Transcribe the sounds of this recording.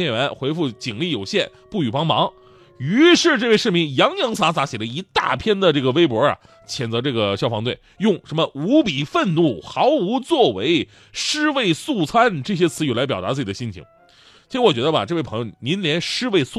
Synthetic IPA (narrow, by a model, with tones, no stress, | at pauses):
ɛ˥˩ɥɛ˧˥nxwe˧˥ɪfu˥˩t͡ɕi˨˩ŋli˥˩jo˨˩ʊɕjɛ˥˩n | pu˥˩y˨˩pɑ˥ŋmɑ˧˥ŋ | y˧˥ʂɻ̩˥˧ʈ͡ʂɤ˥˧we˥˧ɪʂɻ̩˥˩˧mi˧˩ŋjɑ˧˥ŋjɑ˧˥ŋsa˧˥t͡sa˧˥ɕɛ˨˩lə˦i˧˥t̪a̰˥˩pʰjɛ˥nd̪ə˨ʈ͡ʂɤ˥˩ɡə˩we˥ɪpwɔ˧˥ɐ̰˨ | t͡ɕʰjɛ˨˩nt͡sɤ˧˥ʈ͡ʂɤ˥˩ɡə˩ɕjɑ˥˩ʊfɑ˧˥ŋt̪̬we˥˩ɪjʊ˥˩ŋʂə˧˥mə˧u˧˥pi˨˩fə˥˧nnu˥˩xɑ˧˥ʊu˧˥t͡swɔ˥˩we˧˥ɪ | ʂɻ̩˥we˥˧ɪsu˥˩t͡sʰa˥nʈ͡ʂɤ˥˩ɕ̬jɛ˥t͡sʰɹ̩˧˥jy˨˩la˧ɪp̬jɑ˨˩ʊt̪a˧˥t͡sɹ̩˥˩t͡ɕi˨˩ə˦ɕi˥nt͡ɕʰḭ˧˥ŋ | t͡ɕʰi˧˥ɻ̩˥wɔ˨˩t͡ɕɥɛ˧˥d̪ə˧a̰˨˩ʈ͡ʂɤ˥˧we˥˩ɪpʰɤ˧˥jni˧˥nljɛ˧˥nʂɻ̩˥we˥˧ɪsu˥˩